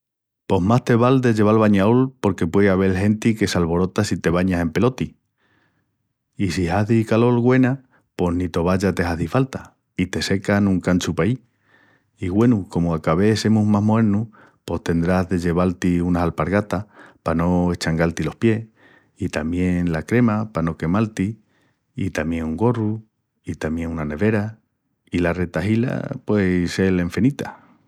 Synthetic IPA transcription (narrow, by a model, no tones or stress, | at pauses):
po̞ɦmast̪e̞βald̪e̞ʝe̞β̞alβaɲaolpo̞ɾke̞pwe̞aβ̞e̞lɦe̞nt̪ike̞salβo̞ɾo̞t̪asit̪e̞β̞aɲase̞mpe̞lo̞t̪i | isihaðikalo̞lɣwe̞na | po̞nit̪o̞β̞aʎat̪e̞ɦaðifalt̪a | it̪e̞se̞kanũŋkant͡ʃupai | iɣwe̞nuko̞moakaβ̞e̞se̞muɦmaɦmoe̞ɾnu | po̞ht̪e̞nd̪ɾazðe̞ʎe̞β̞alt̪iunasalpaɾɣat̪apano̞eht͡ʃaŋɡalt̪ilo̞hpje̞ | it̪amje̞ŋlakɾe̞mapano̞ke̞malt̪i | it̪amjeŋuŋɡo̞ru | it̪amje̞ŋunane̞βe̞ɾa | ilare̞t̪aɦila̰pwe̞se̞le̞ɱfenit̪ʰa̰